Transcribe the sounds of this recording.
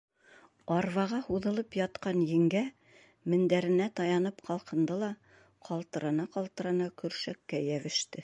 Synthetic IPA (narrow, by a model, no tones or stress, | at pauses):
ɑɾvɑʁɑhuðɤ̆lˠɤpjɑt̪qɑnjɘ̆ŋɡæ | mɘ̆nd̪æɾɘ̆næt̪ɑjɑnɤpqɑlˠqɤ̆nd̪ɤlˠɑ | qʰɑlˠt̪ɤ̆ɾɑnɑqɑlˠt̪ɤ̆ɾɑnɑkɵ̆ɾʃækːæjæβɘ̆ʃt̪ɘ